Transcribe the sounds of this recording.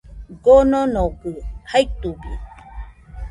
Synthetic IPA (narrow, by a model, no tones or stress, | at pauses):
ɡononokɨhait̪ubi